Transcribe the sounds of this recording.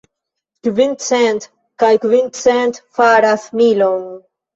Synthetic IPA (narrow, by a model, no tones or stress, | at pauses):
kvint̪sɛnt̪ | kajkvint̪sɛnt̪faɾaθmilom